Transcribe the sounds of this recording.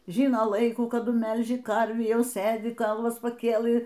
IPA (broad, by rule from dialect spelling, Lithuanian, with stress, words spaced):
ˈʒʲɪnoː ˈlˠɐɪkuː kɐˈdʊ ˈmʲɛlʲʒʲɪ ˈkɐrʲʋʲiː ˈjɛʊ ˈsɘdʲɪ ˈɡɐlˠʋɐs pɐˈkʲeːlˠɨ